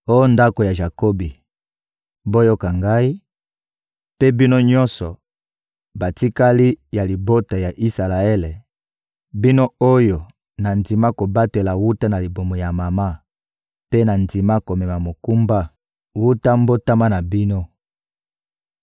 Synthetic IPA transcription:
o˦jo˦nda˦ko˨ja˨ʒa˨ko˦bi˨ | bo˦jo˦ka˨ŋɡa˦i˦ | pe˦bi˦no˦ɲɔ̃˦nsɔ˨ | ba˨ti˦ka˦li˦ja˨li˨bo˦ta˨ja˨ʔi˦sa˨la˨e˦le˨ | bi˦no˦o˦jo˨ | na˨ndi˨ma˦ko˨ba˦te˨la˨wu˦ta˦na˨li˨bo˨mo˨ja˨ma˨ma˦ | pe˦na˨ndi˨ma˦ko˨mɛ˨ma˨mo˨ku˦mba˦ | wu˦ta˦mbo˦ta˦ma˦na˨bi˦no˦

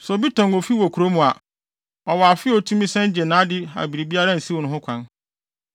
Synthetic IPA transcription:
sɔ˨bi˦tʰɔ̃˨no˨fi˦wɔ˨kʰu˨ɾo˦mũ˨a˨ | ɔ˨wɔ˨a˨fɪ˦ɔ˨tʰũ˦mĩ˦sɛ̃˦n˦d͡ʑɛ˨nãː˨˦dɪ˦a̰˨bi˨ɾi˨bi˦a˦ɾã˦n̩˨si˦wʊ˨nʊ̃˨ɦʊ̃˦kʷʰã˦n

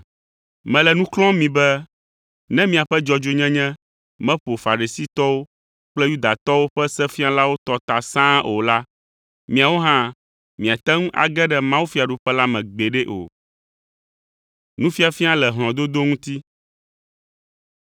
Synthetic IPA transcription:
mɛ̃˨lɛ˨nũ˦klɔ̃˦mĩ˨bɛ˦ | nɛ̃˦mĩ˨a˨ɸɛ˦d͡ʒɔ˨d͡ʒo˦ɲɛ̃˦ɲɛ̃˦ | mɛ̃˦ɸo˨fa˨ɾi˨si˦t̪ɔ˦wo˦ | k͡plɛ˦ju˦d̪a˨t̪ɔ˦wo˦ɸɛ˦sɛ˦fi˦a˦la˦wo˦t̪ɔ˨t̪a˨sã˦o˨la˦ | mĩ˨a˨wo˦ɦã˦ | mĩ˨a˨t̪ɛ˦ŋũ˦ʔa̰˨ɡɛ˦ɖɛ˨mã˦wu˦fi˦a˨ɖu˨ɸɛ˦la˦mɛ̃˨ɡ͡be˨ɖɛ˦ʔo̰˨ | nũ˦fi˦a˨fi˦a˦lɛ˨ɦl̃ɔ̃˨d̪o˦d̪o˦ŋũ˦t̪i˦

